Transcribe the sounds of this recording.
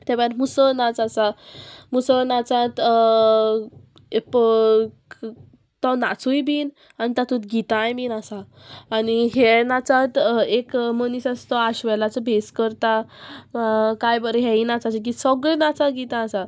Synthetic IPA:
t̪ɛbaɾmusənãt͡sasamusənat͡sãt̪ | ep | t̪ɔ̃nat͡sujbiːn | anit̪at̪ʰut̪ɡit̪ãjminasaː | niɦɛnat͡sãt̪ekmənisast̪ɔaɕʋɛlat͡sɔbʱeskəɾt̪a | kajbəɾɦɛinat͡sat͡sik̬isɔɡɭenat͡saɡit̪ãːsa

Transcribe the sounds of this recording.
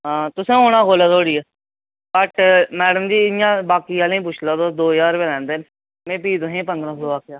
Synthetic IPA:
ɦãːt̪ʊsẽːɦoːɽ̃ãːkoːlaːt̪oːɽiːɛː | bəʈmɛːɽəmd͡ʒiːɪnɪjãːbaːkiːaːlẽːp̬ʊt͡ʃʰlaːd̪oːd̪oːjaːɾʋelɛ̃ːnd̪eːn | mẽːpiːd̪õːɦẽːpənd̪ɾãːsoːaːkʰjaː

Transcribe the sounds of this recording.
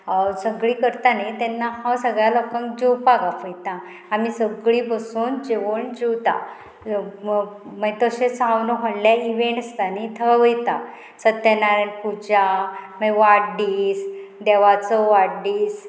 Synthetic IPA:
səɡɭikəɾt̪anajt̪ɛnːahawsəɡɭjalɔkãŋkd͡ʑiwpaɡafəjt̪ãː | misəɡɭiːbəsuːnd͡ʑeʋəɳd͡ʑiwt̪a̰ | mət̪əɕet͡sãwnɔɦəɽljaiʋẽɳʈəst̪anit̪ʰəaʋəjt̪a | sət̪ːenaɾənpud͡ʑamajʋaɽɖiːsd̪eʋat͡səʋaɽɖiːs

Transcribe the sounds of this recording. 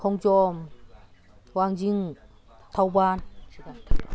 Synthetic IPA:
kʰɔŋt͡ʃɔm | waŋziŋ | t̪ʰawban

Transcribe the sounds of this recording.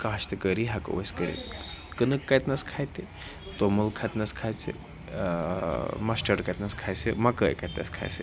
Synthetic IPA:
kaɦʃt̪ɨkəɾiɦakə̰ʋoskəɾḭt̪kənɨkːajt̪naskʰajt̪e | t̪omulkʰat̪nɐskʰajt͡sḛ | masʈəɾkajt̪naskʰajsemakəjkajt̪na̰skʰa̰jsḛ

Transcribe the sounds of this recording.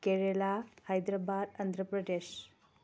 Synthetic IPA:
keɾelahajd̪ɾabad̪ɐnd̪ɾəpɾɐd̪es

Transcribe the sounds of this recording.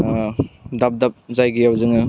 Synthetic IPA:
dap̚dap̚zajɡiawzɯŋɯ

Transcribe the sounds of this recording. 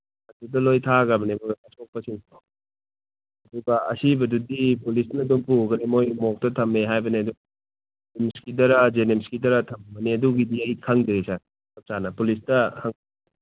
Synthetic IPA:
ɐdudɐlojtʰaɡɐbɐneboɐsok̚pɐsinko | ɐduɡɐɐ̰sibɐdudipulisnɐduŋpuɡɐnimojmok̚tɐtʰɐmeɦajbɐniɐduŋ | imskidɐɾad͡ʒenemskidɐɾɐtʰɐmbɐneɐduɡidiɐjkʰɐŋdɐɾisa | sɐp̚sanɐpulistɐhɐŋ

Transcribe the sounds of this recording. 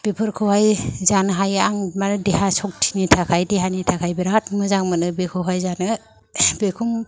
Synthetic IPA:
b̥epʰɯɾkʰɯhajzanɦajaŋmanɯdeɦasɔk̚tʰi̥nitʰakʰajdeɦanitʰakʰajbiɾat̚mɯzaŋmanɯbekʰɯɦajzanɯ | bekʰum

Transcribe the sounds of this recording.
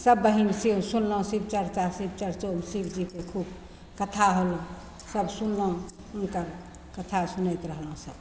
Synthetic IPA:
səbːəɦinsĩsunlə̃sib̚t͡ʃəɾt͡ʃasibt͡ʃəɾt͡ʃomsibd͡ʒikekʰub | kət̪ʰaɦolõ | səbsunlõ | unkəɾ | kət̪ʰasunət̪ɾəɦlɦũsəb

